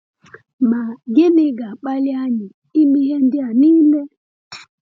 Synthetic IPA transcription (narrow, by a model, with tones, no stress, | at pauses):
ma˨ɡɪ˦nɪ˦ɡa˨k͡pa˦lɪ˦a˦ɲɪ˨ | i˦mi˦ɦe˦n̩˦dɪ˦a˨niː˦le˦